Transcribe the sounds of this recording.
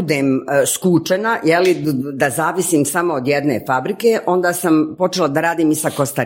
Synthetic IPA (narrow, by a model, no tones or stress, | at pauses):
ud̪eːmskuːt͡ʃenajelid̪azaːʋisiːmsamo̞od̪jed̪nḛfabɾikeːʔo̞nd̪aːsampo̞t͡ʃelad̪aɾaːd̪iːmisakost̪a